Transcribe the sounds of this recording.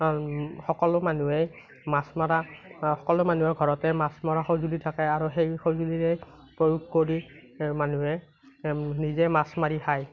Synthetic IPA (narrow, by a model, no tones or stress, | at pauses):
xɔkɔlʊmanuɛj | masmɔɹaxɔkɔlʊmanuaɡʱɔɹɔtɛmasmɔɹaxowzulitʰakɛaɹuxejxowzuliɹɛj | pɹojuɡ̚koɹi | manuɛ | nizɛmasmaɹihaj